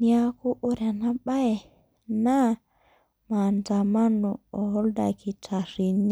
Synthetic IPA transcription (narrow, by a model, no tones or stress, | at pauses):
niakuʔoɾanaɓaɛ | na | mantamanuɔhɔldakitʰaɾiɲa